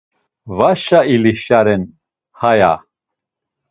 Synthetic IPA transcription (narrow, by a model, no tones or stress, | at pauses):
vaʃailiʃaɾɛn | haja̰